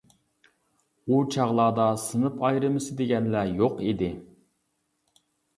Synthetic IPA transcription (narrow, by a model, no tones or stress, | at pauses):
ut͡ʃʰɑʁlˠɑːd̪ɑsɨnɨpʰɑjɾɨmɨsɨd̪eɡʲɛnlæjoqid̪ɪ